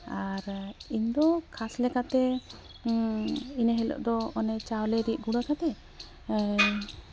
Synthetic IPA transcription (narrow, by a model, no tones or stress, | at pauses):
aɾind̪ɔkʰaslɛkat̪ɛ | ineɦɛlɔ̰ʔd̪ɔɔnɛt͡ʃawlɛɾiʔ̚ˀɡuɽakat̪ɛ